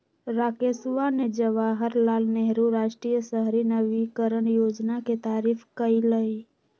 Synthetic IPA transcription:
ɾaːkesuʋaned͡ʒəʋaɦəɾlaːlneɦɾuɾaːʃʈɾijəsəɦɾinəʋikəɾəɳjoːd͡ʒnaket̪aːɾiːfʰkəiləi

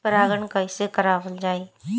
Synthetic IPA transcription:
pəɾaːɡəɳkaɪsekəɾaːʋəld͡ʒaːeː

